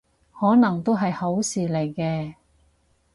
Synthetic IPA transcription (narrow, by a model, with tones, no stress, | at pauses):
hɔː˨˥nɐ˨˩ŋt̪o˥wɦɐ˨jho˨˥wsiː˨le˨˩jkɛː˧